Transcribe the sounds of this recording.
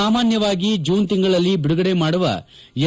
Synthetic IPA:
aːmaːnjɐʋaːɡid͡ʒuːnt̪iŋɡɐɭɐlːibiɽuɡɐɽe̞maːɽuʋɐ̰ | jɛ

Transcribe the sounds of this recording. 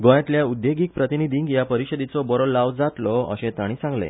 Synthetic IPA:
ɡõjãt̪ljaud̪jeɡik̚pɾət̪inid̪ʱĩːŋkjapəɾiɕəd̪it͡sɔbɔɾɔlːaʋd͡zat̪lɔə̰ɕẽt̪aɽ̃isãŋɡlḛ̃

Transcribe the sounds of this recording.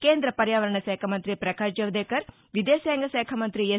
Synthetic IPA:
keːnd̪ɾɐpɐɾjaːʋɐɾɐɳɐsɛːkʰɐmɐnt̪ɾipɾɐkaːʃd͡ʒɐʋd̪eːkɐɾ | ʋid̪eseːŋɡɐsɛːkʰɐmɐnt̪ɾie

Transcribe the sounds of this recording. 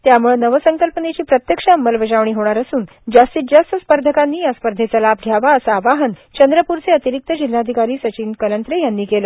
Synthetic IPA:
t̪jamuɭenəʋəsəŋkəlpənet͡ɕiːpɾət̪jəkʂaəmːəlʋəd͡ʑaʋɳiːɦoɽ̃aɾəsuːn | d͡ʑast̪it̪̚d͡ʑast̪ʰəspəɾd̪ʱəkanːiːjaspəɾd̪ʱet͡salab̚ɡʱjaʋaəsaːʋaɦənt͡ɕənd̪ɾəpuɾt͡seət̪iɾik̚t̪əd͡ʑilːaːd̪ʱikaɾiːsət͡ɕiːnkələnt̪ɾejanːiːkeləː

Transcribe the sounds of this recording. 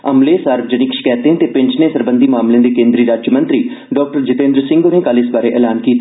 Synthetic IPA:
əmleːsaːɾbd͡ʒənɪkʃkɛːt̪eɦɛ̃t̪eːpɪ̃ɲt͡ʃnẽːsəɾbənd̪iːmaːmlẽd̪eːkẽːnd̪ɾiːɾaːd͡ʒjmə̃nt̪ɾiː | ɖɔːk̚ʈəɾd͡ʒɪt̪ẽːnd̪ɾsɪ̃ŋɡoneːkaːlɪsbaːɾeːʔɛːlaːnkiːt̪ː

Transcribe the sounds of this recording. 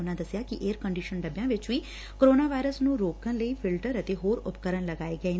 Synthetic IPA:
ʊnːãd̪əsjaːkɪʔeːɾkə̃ɳɖiːʃənɖəbjãːʋɪt͡ʃʋiː | koɾoːnaːʋaːɪɾəsnũːɾoːkənləiːpʰɪlʈəɾət̪eːɦoːɾʊpkəɾənləɡaːeːɡəeː

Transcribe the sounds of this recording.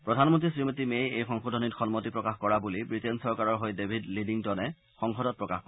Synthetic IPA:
pɹɔdʱanmɔntɹisɹimitimejejxɔŋxudʱɔnitxɔnmɔtipɹɔkaxkɔɹabulibɹitensɔɹkaɹɔɹɦojdebʱidlidiŋtɔnɛ | xɔŋxɔdɔt̚pɹɔkaxkɔ

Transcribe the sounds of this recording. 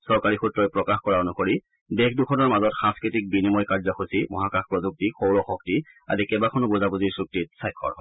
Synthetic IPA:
sɔɹkaɹixutɹɔjpɹɔkaxkɔɹaonukoɹi | dekdukʰɔnɔɹmazɔtxãskɹitik̚binimɔjkaɹzɔxusimɔ̰ɦakaxpɹɔzuk̚tixowɹɔxɔk̚ti | a̰dikɛbakʰɔnɔbozabuziɹsuk̚tit̚sajkʰːɔ̰ɹɦɔ

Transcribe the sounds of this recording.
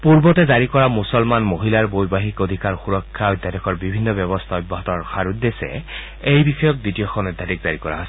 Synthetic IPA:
puɹbɔtɛzaɹikɔɹamusɔlmanmoɦilaɹbojbaɦikod̪ʱikaɹxuɹɔkʰːaɔjd̪adɔkʰɔɹbibʱinːɔbɔbɔst̪ʰaɔjbːɔɦɔtɔɹxaɹud̪esɛ̰ | ejbixɔjɔk̚ditijɔxʰɔnɔd̪ʱatikzaɹikɔ̰ɹa̰ɦɔs

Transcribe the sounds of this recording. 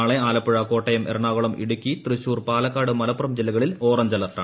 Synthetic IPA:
aːɭeaːlɐpːɐɻɐko̞ːʈːɐjɐmʔḛrɐɳaːɣɐɭɐmʔḭɽukʲːit̪rɨɕuːrpaːlɐkːaːɽɨmɐlɐpːurɐmd͡ʑelɐɣɐɭiloːrɐmd͡ʑɐlɐrʈ̪ːɐ

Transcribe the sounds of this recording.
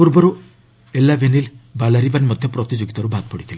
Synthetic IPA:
puɾbɔɾu | elːabenilbalaɾibanmɔd̪ʱjɔpɾɔt̪id͡ʒoɡit̪ɔɾubʱat̪̚pɔɽit̪ʰile

